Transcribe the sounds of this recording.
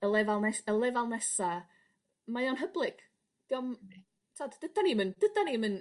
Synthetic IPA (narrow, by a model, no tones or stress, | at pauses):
əlˠɛvalˠnɛsəlˠɛvalˠnɛsa | majɔnɦəblˠɨɡ̥ | d̥ɔm | tʰadd̥əd̥animənd̥əd̥animən